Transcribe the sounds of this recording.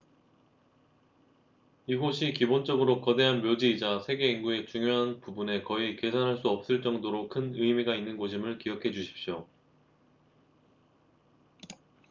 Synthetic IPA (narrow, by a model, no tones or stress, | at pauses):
iɡoɕʰikibont͡ɕ͈ʌɡɯɾokʌde̞ɦanmjod͡ʑiːd͡ʑasʰe̞ɡe̞inɡue̞t͡ɕuŋjoɦanpubune̞kʌike̞sʰanɦaɭs͈uʌp̚s͈ɯɭt͡ɕ͈ʌŋdoɾokʰɯnɯjmiɡainːɯnɡoɕʰimɯɭkijʌkʰe̞d͡ʑuɕʰi̥p̚ɕ͈jo